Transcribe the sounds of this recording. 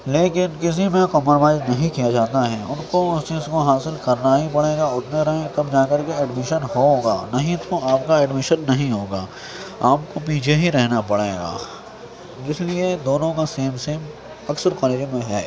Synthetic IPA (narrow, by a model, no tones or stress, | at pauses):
leːkɪnkɪs̬imẽkɔːməɾʋaːd͡ʒnɐɦĩkijad͡ʒaːt̪aɦɛːʊnkoʊst͡ʃiːzkoɦaːsɪlkɐɾnaɦipɐɽeːɡaʊʈʰnẽɾɐɦẽt̪ɐbd͡ʒaːkɐɾkeɛːɖmɪʃənɦoɡaːnɐɦĩt̪ʰoaːp̚kaɛːɖmɪʃənːɐɦĩɦoːɡaː | aːpkop̬iːt͡ʃʰeɦiɾɛɦnapɐɽḛːɡa̰ː | d͡ʒɪslied̪oːnõkaseːmseːm | ɐksəɾkɔːleːd͡ʒmẽɦɛ̰ː